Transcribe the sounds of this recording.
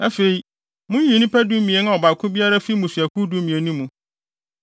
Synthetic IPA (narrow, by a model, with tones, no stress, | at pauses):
a˦fe˨i˨ | mʊ̃˦ji˨nĩ˦pæ˦du˦mĩ˨e˨˦n˦a˦˨ɔ˨ba˨kʰʊ̃˦bi˦a˦ɾa˦fi˦mũ˨sɥæ˨kʰu˦du˦mĩ˨e˨nũ˦mũ˨